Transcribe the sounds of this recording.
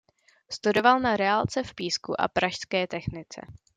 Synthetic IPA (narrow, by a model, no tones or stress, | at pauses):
st̪udo̞valnaɾɛalt͡sɛfpiːskṵʔa̰pɾaʃskɛːt̪ɛxnɪt͡sɛ̰